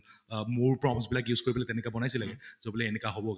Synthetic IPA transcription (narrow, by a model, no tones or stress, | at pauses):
mʊɹpɹɔmisbilak̬juskoɹibɔlɛtɛnɛkabɔnajsilaɡɛzobɔlɛːnɛkaɦobɔɡ